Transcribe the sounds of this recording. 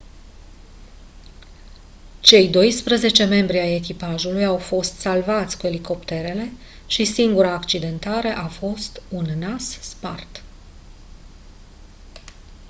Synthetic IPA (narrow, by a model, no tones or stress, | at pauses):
t͡ʃe̞jd̪o̞jspɾəze̞t͡ʃe̞me̞mbɾiaje̞kipaʒulujawfo̞st̪salvat̪sʲkue̞liko̞pt̪e̞ɾe̞le̞ | ʃisiŋɡuɾaːkt͡ʃid̪e̞nt̪aɾe̞ʔafo̞st̪unːasspa̰rt̪